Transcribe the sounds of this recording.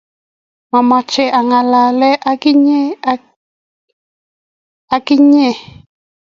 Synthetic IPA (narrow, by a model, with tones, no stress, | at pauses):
ma˨ma˨t͡ʃɛ˨a˨ŋa˨la˨lɛ˦ʔa˦ki˦ɲɛ˦ | a˦ki˦ɲɛ˦˨